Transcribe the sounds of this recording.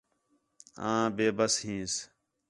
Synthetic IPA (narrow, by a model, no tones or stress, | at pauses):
ãːbeːbəsɦĩːs